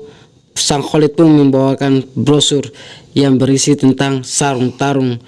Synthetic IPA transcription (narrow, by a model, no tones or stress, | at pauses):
saŋholɪt̪̚pʊnməmbawakanbɾosʊrjaŋbəɾisit̪ənt̪aŋsaɾʊŋt̪aɾʊŋ